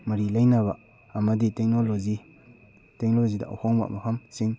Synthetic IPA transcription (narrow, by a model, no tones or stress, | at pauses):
mɐɾilajnaba | ɐmɐditek̚nolozi | tek̚nlozida̰ʔa̰whɔŋba̰mɐpʰamsiŋ